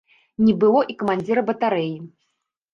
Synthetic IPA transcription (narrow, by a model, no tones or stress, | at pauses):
nʲibɨlˠɔʔikɐmanʲd͡zʲiɾɐbɐt̪aɾɛji